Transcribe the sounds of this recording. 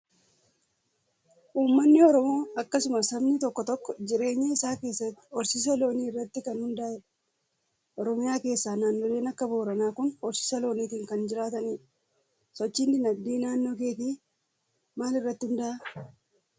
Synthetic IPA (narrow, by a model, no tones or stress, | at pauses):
ʔuːmːɐnːɪɔɾɔmo̞ːɐkːɐsʊmɐsɐbnɪt̪ɔkːɔt̪ɔkːɔd͡ʒɪɾe̞ːɲːɐɪsaːke̞ːsːɐt̪ːɪ̥ɔɾsɪs̬ɐlo̞ːniːɪrːɐt̪ːɪkɐnhʊnd̪ɐɛ | ʔɔɾɔmɪjaːke̞ːsːaːnaːnːoleːnɐkːɐbo̞ːɾɐnaːkʊnɔɾsɪ̥sɐlo̞ːniːkɪŋkɐnd͡ʒɪɾaːt̪ɐniː | sɔt͡ʃːiːnd̪ɪnɐbd̪iːnaːnːoːkeːt̪iː | maːlɪrːɐt̪ːɪhʊnd̪ɐʔɐ